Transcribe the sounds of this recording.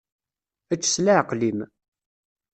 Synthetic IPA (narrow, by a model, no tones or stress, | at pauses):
æt͡ʃːə̥slaʕqlim